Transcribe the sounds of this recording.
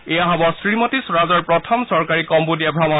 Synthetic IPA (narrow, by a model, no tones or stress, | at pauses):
ejaɦɔbɔsɹimɔtisɹazɔɹpɹɔtʰɔmsɔɹkaɹikɔmbudiabʱɹama